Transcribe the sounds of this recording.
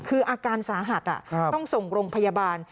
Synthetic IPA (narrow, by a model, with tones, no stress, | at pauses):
kʰɯː˧ʔaː˧kaː˧nsaː˩˦ɦa˨˩t̪̚ʔa̰˨˩ɔ˥˩ŋso˨˩ŋɾoː˧ŋpʰa˧jaː˧baː˧n